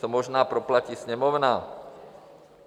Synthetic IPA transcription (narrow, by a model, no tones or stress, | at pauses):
ɔmɔʒnaːpɾɔplacisɲɛmɔʊnaː